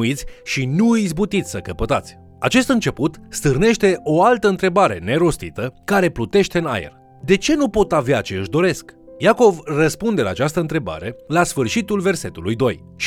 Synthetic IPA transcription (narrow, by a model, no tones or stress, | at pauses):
it̪sʲʃinuizbut̪it̪sʲsəkəpət̪at̪sʲ | at͡ʃe̞st̪ɨnt͡ʃe̞put̪st̪ɨrne̞ʃt̪e̞ʔo̞alt̪əɨnt̪ɾe̞baɾe̞̰ne̞ɾo̞st̪it̪əkaɾe̞plut̪eʃt̪eɨna̰jḛr | d̪e̞t͡ʃe̞nupo̞t̪aveat͡ʃe̞ɨʃd̪o̞ɾe̞skjako̞vrəspund̪e̞la̰ːt͡ʃast̪əɨnt̪ɾe̞ba̰ɾe̞lasfɨrʃit̪ulve̞rse̞t̪ulujd̪o̞j | ʃ